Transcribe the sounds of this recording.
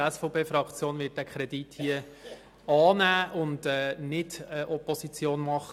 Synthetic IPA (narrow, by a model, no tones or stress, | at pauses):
ɛsfɔpʰeːfɾɑkt͡sjoːnʋɪːt̚d̥ækʰɾɛdithiə | ɑːnæːʔʊndɛːnɪdəʔɔpɔsit͡sjoːnmɑχ